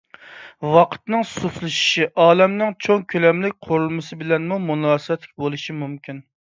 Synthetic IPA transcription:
wɑqʰə̥t̪nɨŋsuslˠɨʃi̥ʃiʔɑːlɛmnɪŋt͡ʃʰoŋkʲʰølɛmlɪk̚ʲqʰoɾulˠmɨsɨbɪlɛnmumunɑːsɨwɛt̪lɪ̥kʲbolˠuʃimumkʲʰin

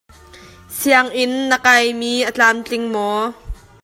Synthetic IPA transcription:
siaŋʔɪnːəkɐjmiːʔət͡ɬaːmt͡ɬɪŋmɔ

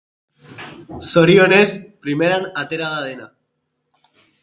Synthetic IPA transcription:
so̞ɾionespɾimeɾanat̪eɾaðaðena

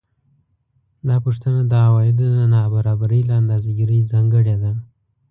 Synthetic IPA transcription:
d̪ɑpuʂt̪ənad̪əawɑjɪd̪onanɑbaɾɑbaɾəjlaand̪ɑzaɡiɾəjzɑŋɡəɽed̪a

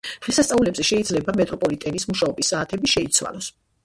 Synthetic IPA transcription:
d̪̥ʁilˠsast̪sʼaulɛbzɛʃɛid̪zlɛbamɛt̪ʼɾɔpʼɔlit̪ʼɛnismuʃaɔbisːaːt̪ʰɛbiʃɛit̪sʰwa̰lˠɔs

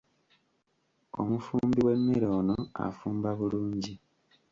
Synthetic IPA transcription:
o̰mufuːmbiwe̞mːiɾoːno̞a̰fuːmbaβuluːɲɟi

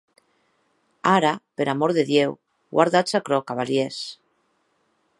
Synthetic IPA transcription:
aɾapeɾamoɾðeðjew | ɣwa̰ɾðasakɾokaβaljes

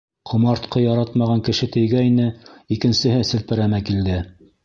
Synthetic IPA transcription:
qʰŏmɑɾt̪qɤjɑɾɑt̪mɑʁɑŋkɘ̆ʃɘt̪ɘ̆jɡæjnɘikɘ̆nsɘ̆ɦɘsɘ̆lpɘ̆ɾæmækild̪ɘ

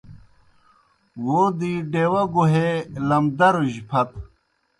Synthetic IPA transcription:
wod̪iɖeːwɐɡuɦelɐmd̪ɐɾuʑpʰɐt̪

